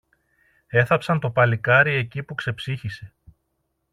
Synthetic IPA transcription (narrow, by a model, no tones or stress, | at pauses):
e̞θɐpsɐnt̪o̞pɐlikɐɾie̞cipukse̞psiçise̞